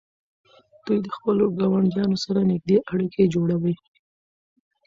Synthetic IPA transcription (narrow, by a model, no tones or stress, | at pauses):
d̪̥ujd̪əxpəloɡɑwaɳdjɑnosaɾanɪɡ̚d̪eʔaɽikʰed͡ʒoɽawəj